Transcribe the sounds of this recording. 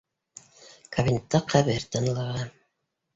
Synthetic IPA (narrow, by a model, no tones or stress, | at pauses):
kɐvʲinʲet̪ːɑqʰæβɘɾt̪ɑnɤlˠɑʁɑ